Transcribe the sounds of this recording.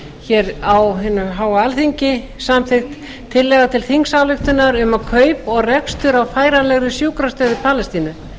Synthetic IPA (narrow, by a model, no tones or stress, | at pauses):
çɛɾawɦɪnːʏɦaːwaalθiɲcɪ | samθɪxt̪ | t̪ʰːɪlːɛɣat̪ʰɪlθiŋksavlʏxt̪ʏnaɾʏmakʰœːɥpɔɣrɛkst̪ʏɾawfaːjɾalɛɣɾʏsjuːwkɾast̪œːðɪpʰaːlɛst̪iːnʏ